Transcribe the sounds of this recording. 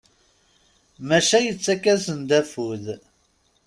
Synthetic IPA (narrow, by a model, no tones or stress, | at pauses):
mæʃæjət͡sːækːæsənd̪æfuð